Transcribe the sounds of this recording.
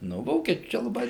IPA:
ˈnʊ ˈʋoːkʲiɛt͡ʃʲʊ ˈt͡ʃʲɛ lˠɐˈbɐɪ

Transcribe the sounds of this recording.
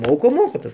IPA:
ˈmoːkoː ˈmoːkoː ˈtɐs

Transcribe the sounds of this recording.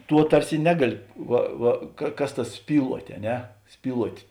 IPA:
ˈtuɔ ˈtɐrʲsʲɪ ˈnʲæːɡɐˌlʲɪ ˈʋɐ ˈʋɐ kɐ ˈkɐs ˈtɐs ˈsʲpʲiːlˠuɔtʲ ɐ ˈnʲɛ ˈsʲpʲiːlˠuɔtʲ

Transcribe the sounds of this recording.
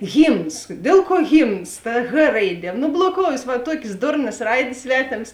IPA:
ˈɣʲiːmns ˈdʲeːlˠ ˌkuɔ ˈɣʲiːmns tɐ x ˈrɐɪˌdʲiɛ noː blˠoːˈkoːʊjeːs ˈʋɐ ˈtuɔkʲeːs ˈdʊrnɐs ˈrɐɪdʲeːs ˈsʲʋʲæːtʲeːms

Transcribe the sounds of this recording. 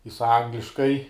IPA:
jɪs ˈɐŋɡlʲɪʃkɐɪ

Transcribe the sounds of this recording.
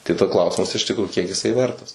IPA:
tɐɪ ˈdɐ ˈklˠɐʊsʲɪmɐs ɪʃ tʲɪkˈruːjʊ ˈkʲiɛk jɪˈsɐɪ ˈʋʲɛrtɐs

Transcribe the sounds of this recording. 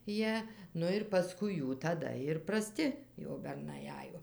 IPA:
ˈjiɛ ˈnʊ ɪr pɐˈskʊɪ ˈjuː tɐˈdɐ ɪr prɐˈsʲtʲɪ jɛʊ bʲɛrˈnɐɪ ˈɑːjoː

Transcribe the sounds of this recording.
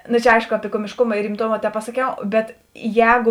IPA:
nʊ t͡ʃʲɛ ˈɐɪʃkʊ ˈɑːpʲɪ koːmʲɪʃˈkʊmɐ ɪr rʲɪmˈtoːmɐ tʲɛpɐsɐˈkʲɛʊ ˈbʲɛt ˈjɛːɡʊ

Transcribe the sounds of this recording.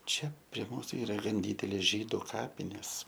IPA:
ˈt͡ʃʲɛ pʲrʲiɛ ˈmuːsʊ ˈiːrɐ ˈɡɐn ˈdʲiːdʲɛlʲeːs ˈʒʲiːdʊ ˈkɑːpʲɪnʲeːs

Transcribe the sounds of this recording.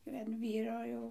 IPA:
ɐn ˈʋʲiːroː jɛʊ

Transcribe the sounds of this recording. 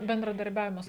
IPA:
bʲɛndrɐdɐrʲˈbʲæːʋʲɪmɐs

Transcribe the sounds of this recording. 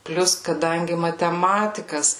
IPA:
ˈpʲlʲʊs kɐˈdɐŋʲɡʲɪ mɐtʲɛˈmɑːtʲɪkɐs

